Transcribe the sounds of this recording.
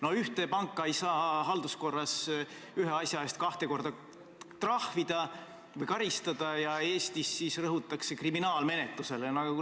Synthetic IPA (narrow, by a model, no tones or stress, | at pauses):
no̞yht̪e̞pɑŋkːˑɑejsɑːɦɑld̪̥usko̞rːɑsyɦeɑsʲjɑe̞ːst̪̚kɑht̪e̞ko̞rd̪̥ɑ | t̪rɑhvid̪̥ɑ | vɤjkɑɾist̪ɑd̪̥ɑjɑe̞ːst̪isːisrɤɦut̪ːˑɑkse̞kriminɑːlme̞net̪luse̞lenɑɡ̥ɑ